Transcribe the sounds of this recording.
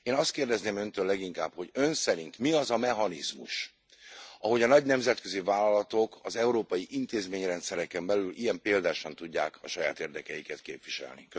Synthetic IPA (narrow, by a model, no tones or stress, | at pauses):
eːnɒst̪keːrd̪ɛzneːmø̞nt̪øːlːɛɡiŋkaːpho̞ɟø̞nsɛɾint̪miɒzɒmɛɦɒnizmṵʃ | ɒɦo̞ɟɒnɒɟnɛmzɛt̪køzivaːlɒlɒt̪o̞kʰɒzɛuɾoːpɒjiʔint̪eːzmeːɲrɛnt̪sɛɾɛkɛmbɛlylʔijɛmpeːld̪aːʃɒnt̪uɟːa̰ːkʰɒʃɒjaːt̪eːrd̪ɛkɛjikɛt̪keːpvʋiʃɛ̰lnḭk